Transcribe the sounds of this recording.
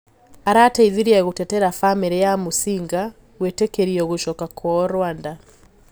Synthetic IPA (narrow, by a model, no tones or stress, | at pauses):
aɾataiðiɾiaɣotɛtɛɾafamiɾejamosiŋɡa | wetekeɾiɔɣoʃɔkakʰwɔɾwanda